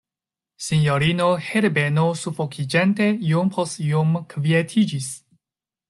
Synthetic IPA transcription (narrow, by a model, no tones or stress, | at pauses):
siɲjoɾinoheɾbenosufokʰid͡ʒentejumpʰosjumkvietʰid͡ʒis